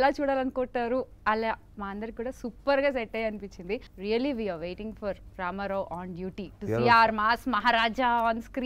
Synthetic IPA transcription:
laːt͡ʃuːɽaːlɐnkoːʈːaːɾuɐlːa | maːɐnd̪ɐɾikuːɽaːsupːɐɾɡaːs̬eʈːɐjɐnipit͡ʃːind̪iɾijɐliʋiːaːʋeːʈĩŋɡfɔɾɾaːmɐɾɐwʔaːɳɖjuːʈiːʈuiaːɾmaːsmɐɦaːɾaːd͡ʒaɔːnskɾiː

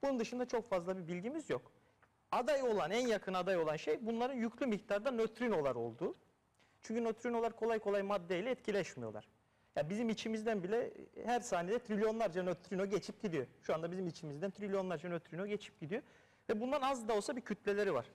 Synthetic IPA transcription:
b̥unund̪ɯʃɯnd̪at͡ʃʰo̞kfazlˠabibilʲɟimizjo̞k | ad̪ajo̞lˠanænjakʰɯnad̪ajo̞lˠanʃejbunlˠaɾɯnjycʰlʲymict̪ʰaɾd̪anøt̪ʰɾino̞lˠaɾo̞̰lˠd̪uː | t͡ʃʰyɲcʰynøt̪ʰɾino̞lˠaɾkʰo̞lˠajkʰolˠajmad̪ːejlʲɛːt̪cʰilʲɛɛʃmijo̞lˠa̰ɾ̥ | jabizimit͡ʃʰimizd̪ænbilʲɛhæɾsaːnijed̪ɛt̪ʰɾilʲjo̞nlˠaɾd͡ʒanøt̪ʰɾinoɟe̞t͡ʃʰip̚ɟid̪ijo̞ʃuand̪abizimit͡ʃʰimizd̪ænt̪ʰɾilʲjo̞nlˠaɾd͡ʒanøt̪ɾino̞ɟe̞t͡ʃʰi̥p̚ɟid̪ijo̞ | vɛbund̪anazd̪ao̞lˠsabicʰyt̪̚lʲelʲe̞ɾiva̰ɾ̥

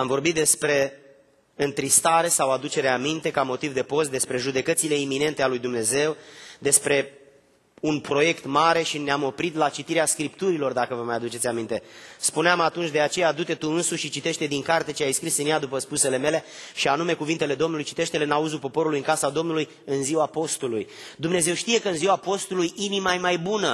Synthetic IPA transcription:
amvo̞rbit̪̚d̪espɾe̞ | ɨnt̪ɾist̪aɾe̞sawad̪ut͡ʃe̞ɾeamint̪e̞kamo̞t̪ivd̪e̞po̞st̪̚d̪e̞spɾe̞ʒud̪e̞kət̪sile̞imːine̞nt̪e̞alujd̪umne̞ze̞wd̪e̞spɾe̞ | unpɾo̞je̞kt̪maɾe̞ʃineamo̞pɾit̪lat͡ʃit̪iɾeaskɾipt̪uɾilo̞rd̪akəvəmajad̪ut͡ʃe̞t̪sʲamint̪e̞spuneamat̪unt͡ʃʲd̪e̞at͡ʃe̞jad̪ut̪e̞t̪uɨnsuʃʃit͡ʃit̪e̞ʃt̪e̞d̪iŋkart̪e̞t͡ʃeajskɾisɨnjad̪upəspuse̞le̞me̞le̞ʃianume̞kuvint̪e̞le̞d̪o̞mnulujt͡ʃi̥t̪e̞ʃt̪eleɨnauzulpo̞po̞ɾulujɨŋkasad̪o̞mnuluj | ɨnziwapo̞st̪uluj | d̪umne̞ze̞wʃt̪ije̞kəɨnziwapo̞st̪ulujinimaemajbunə

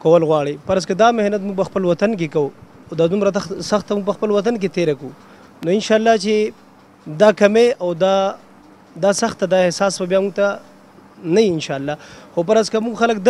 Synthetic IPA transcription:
kawəlɣwɑɽepaɾazkad̪amɪhnat̪̬muɡ̚pəxpəlwat̪ank̬ekau | awd̪ad̪ʊmɾasaxt̪ːamuɡ̚pəxpəlwat̪ank̬et̪eɾaku | noɪnʃaːlːat͡ʃe | d̪akameawd̪a | d̪asaxt̪ad̪aehsɑsbabjamuɡ̚t̪a | najiɪnʃaːlːaxopaɾazkamuɡxalək̚d̪

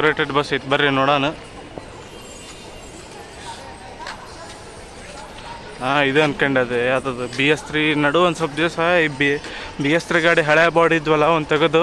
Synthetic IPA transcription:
ɾeːʈeɖbɐsɐjt̪bɐɾːenɔːɽaːnu | aːid̪uɐnkɐɳɖeɐd̪ead̪ɐd̪ubijest̪ɾinɐɽuʋɐnd̪sɐb̚d̪esɐbibijest̪ɾiɡaːɽiɦɐɭebaːɽid̪ʋɐlːɐond̪t̪ɐɡɐd̪u

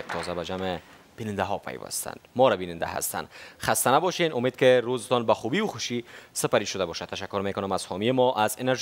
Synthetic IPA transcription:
t̪ʰɔzabad͡ʒamɪ | b̥inɪnd̪aɦɔpʰa̰jwa̰st̪ʰa̰nd̪mɔɾabinɪnd̪a̰ɦa̰st̪a̰nχast̪anabɔʃenʊmed̪̚kɪɾozɪt̪ɔnbaxubiwʊxʊʃisɪpaɾiʃʊd̪abɔʃat̪ːaʃakːʊɾmekʊnʊmaz̥hɔmijemɔʔazeneɾʒ

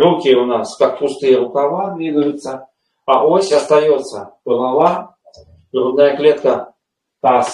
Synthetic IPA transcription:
rukʲiunaskak̚pust̪ɨjɛɾukavad̪vʲid̪ujut̪sːɐ | avɔsʲɐst̪ajɔt̪sːɐpɨlˠalˠa | d̪ɾud̪najɐklʲɛt̪kɐ | t̪as

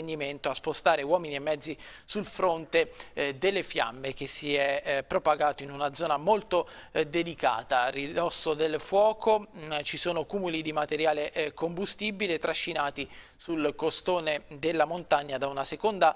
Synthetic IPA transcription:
enːiment̪oaspost̪aːɾewɔːminiemːɛd̪zːi | sulfɾont̪ed̪elːefja̰mːek̟esːiɛpːɾopaɡaːt̪oinunad̪zɔːnamolt̪od̪ed̪ika̰ːt̪arid̪ɔsːod̪elfwɔːkʰot͡ʃisoːnokuːmulid̪imat̪eɾjaːlekombust̪ibilet̪ɾaʃːinaːt̪i | sulkost̪oːned̪elːamont̪aɲːad̪aunasekond̪a

